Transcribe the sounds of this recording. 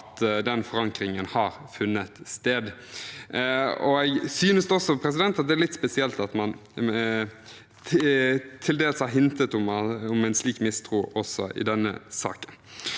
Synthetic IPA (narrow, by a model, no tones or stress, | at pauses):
t̪d̪ɛnfɔɾɑŋkɾɪŋənhɑːɾfʉnːət̪st̪eːd̪ | ɔ̰ɛɡsyːnəsd̪ɛɔsːɔpʰɾɛs̬ɪd̪ɛnt̪ɑt̪̚d̪ɛælɪt̪ːspɛsɪɛlt̪ɑt̪mɑn | t̪ʰɪld̪eːləshɑɾɦɪnt̪ət̪ʊmʊmæɪnsliːkmɪst̪ʰʁuːɔsɔ̰ʔɪ̰d̪ɛnːə̰sɑ̰ːkən